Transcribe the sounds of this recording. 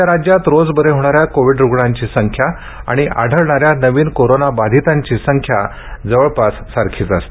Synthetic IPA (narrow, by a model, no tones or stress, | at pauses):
aɾad͡ʑjat̪ɾod͡zbəɾeɦoɽ̃aɾjakoʋiɖɾuɡɭaɲt͡ɕiːsəŋkʰja | a̰ɽ̃iʔa̰ɽʱəɭɳaɾjanəʋiːnkoɾonabad̪ʱit̪aɲt͡ɕiːsəŋkʰja̰ | d͡zəʋəɭpasːaɾkʰiːt͡sast̪